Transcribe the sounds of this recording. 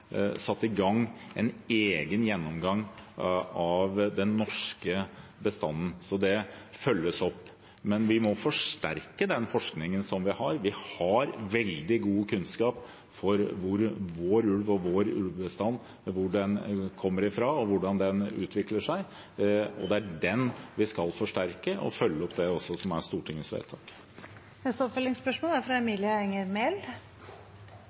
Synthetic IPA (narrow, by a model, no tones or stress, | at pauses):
sɑt̪ːɪɡɑŋːɛ̰neːɡənjɛnːɔmɡɑŋ | ɑʋd̪ɛnːɔʂkəbəst̪ɑnːn̩sɔd̪ɛfœlːəsɔpː | mɛnʋɪmɔfɔʂʈæ̰ɾkəd̪ɛnfɔʂknɪŋənsɔmʋɪhɑɾʋɪhɑɾʋɛld̪ɪɡuːəkʰʉnskɑːp | fɔɾʋʊɾʋoːɾʉlʋɔʋoːɾʉ̰lʋbəst̪ɑnː | ʋʊɖɛnkʰɔmːəɾɪfɾɑɔʋʊɖɑnd̪ɛnʉ̰ːt̪ʰʋɪkləʂæɪ | ɔ̰d̪ɛæɖɛnʋɪskɑlfɔʂʈæɾkəʔɔ̰fœlːəɔpd̪ɛɔsːɔsɔmæ̰ʂt̪uːʈʰɪŋːəsʋḛt̪ʰɑːk | nɛst̪əɔpfœlɪŋspœʂmoːlæɾfɾɑɛmiːljəɛŋəɾmɛl